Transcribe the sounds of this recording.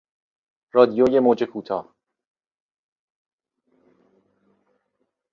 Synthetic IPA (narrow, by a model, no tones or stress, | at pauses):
ɾɒːd̪ijoːjemod͡ʒekʰuːt̪ʰɒ̰ː